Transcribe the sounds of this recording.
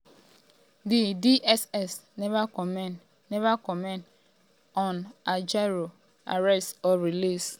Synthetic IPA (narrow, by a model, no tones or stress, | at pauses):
dɪdiʔɛsɛsnvakɔ | nɛvakɔmɛ̃nd | ɔnad͡ʒaɾo | a̰ɾɛstɔɾilis